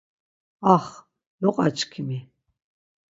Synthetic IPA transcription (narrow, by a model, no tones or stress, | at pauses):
aχ | lɔqʼat͡ʃʰʼkʰimi